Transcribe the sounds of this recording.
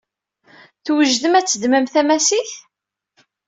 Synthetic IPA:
θwəʒðəmæt͡sːəd̪mæmθæmæsiç

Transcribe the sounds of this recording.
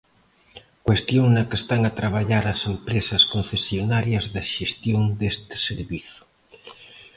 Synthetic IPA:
kwest̪joŋnakest̪aŋat̪ɾaβaʎaɾasempɾesaskonθesjonaɾjɐzðaʃest̪joŋd̪est̪ɪ̥seɾβiθʊ̥

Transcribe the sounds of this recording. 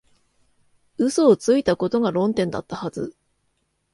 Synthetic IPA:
ɯ̟soːt͡sɨit̪ako̞t̪o̞ɡaɾõ̞nt̪ẽ̞nd̪a̰t̪ːahazɨ

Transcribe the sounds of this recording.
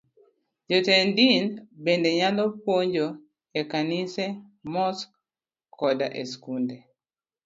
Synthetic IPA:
d͡ʒɔtɛndinbendeɲalɔpoɲd͡ʒo | ekanisɛ | mɔsk | kɔdaʔeskunde

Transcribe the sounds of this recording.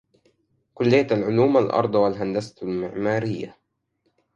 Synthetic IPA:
kʊlːɪjːat̪alʕʊluːmalʔɑ̰ɾˤd̪ˤɑwalɦand̪asḁlmɪʕmaːɾɪjːa

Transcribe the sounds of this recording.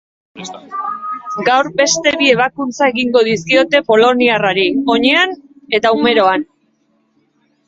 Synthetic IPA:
ɡawɾbe̞st̪e̞βie̞β̞akunt͡sae̞ɣiŋɡo̞ðiskio̞t̪e̞po̞lo̞niaraɾio̞ɲe̞an | e̞t̪aume̞ɾo̞an

